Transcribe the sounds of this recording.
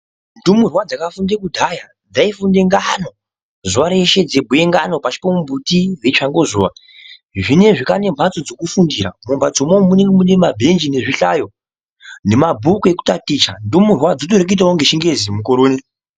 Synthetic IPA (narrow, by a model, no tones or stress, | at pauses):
ndumurwad͡zakafundekudʱaja | d͡zaifundeŋɡano̞ | zuʋaɾe̞ʃe̞d͡ze̞bʱue̞ŋɡano̞pat͡ʃi̥pomumbʱutiʋe̞t͡ʃaŋɡo̞zuːʋa | ʐine̞ʐikane̞mbʰʱat͡sod͡zo̞kufundiɾa̰mumbat͡somomuneŋɡemunemabʱe̞nd͡ʒine̞ʐiɬajo̞ | ne̞mabʱukue̞ku̥tatit͡ʃa̰ndumurwad͡zot̬oɾekuit̬aoŋɡeʃiŋɡe̞zimukoɾoːne